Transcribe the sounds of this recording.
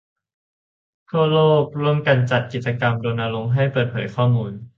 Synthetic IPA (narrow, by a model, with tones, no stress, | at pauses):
kʰu˥˩loː˥˩k̚ɾu˥˩əmka˧nt͡ɕa˨˩t̪̚ki˨˩t̪̚t͡ɕa˧ka˧mdoː˧nʔaː˧lo˧ŋɦa˥˩jpɤː˨˩t̪̚pʰɤː˩˦jkʰɔː˥˩muː˧n